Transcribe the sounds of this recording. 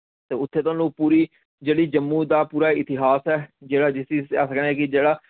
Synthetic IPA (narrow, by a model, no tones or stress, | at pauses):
t̪eːʊt̪ʰːeːt̪ãːlũːpuːɾiː | d͡ʒeːɽiːd͡ʒəmːũːd̪aːpuːɾaːɪt̪ɪɦaːsɛːd͡ʒeːɽaːd͡ʒɪsisa̰ːsəknɛːkɪd͡ʒeːɽaː